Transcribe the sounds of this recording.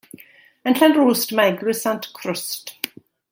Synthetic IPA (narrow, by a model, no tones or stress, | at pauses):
ənɬanruːstmaɛɡlɨsantʰkʰrʊst